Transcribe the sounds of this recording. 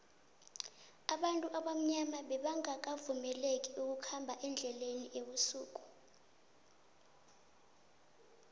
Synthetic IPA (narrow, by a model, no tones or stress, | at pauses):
aɓantʼuʔaɓam̩ɲamaɓɛɓaŋak̬avumɛlek̬ʼiuk̬ukʰambʱaʔɛnd͡ɮʱɛleniʔeɓusuːk̬ʼu̥